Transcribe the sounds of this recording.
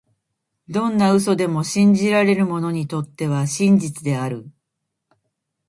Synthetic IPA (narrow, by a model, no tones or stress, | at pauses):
d̪õ̞nːaɯ̟s̬o̞d̪e̞mo̞ɕĩɲ̟d͡ʑiɾaɾe̞ɾɯ̟mo̞no̞ɲ̟it̪o̞t̪ːe̞β̞aɕĩɲd͡ʑit͡sɨd̪e̞aɾɯ̟